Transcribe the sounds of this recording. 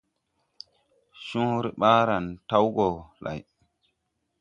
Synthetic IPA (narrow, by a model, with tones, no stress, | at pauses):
sũ˦ɾi˨ɓaː˦ɾa˨nta˦wɡɔ˨la̰˨j